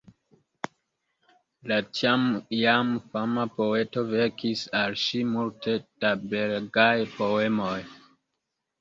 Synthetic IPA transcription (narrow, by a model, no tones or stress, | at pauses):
lat͡ʃamjamfamapo̞e̞to̞ve̞ɾkʰisalʃimultʰe̞d̥abeɾɡajpo̞e̞mo̞j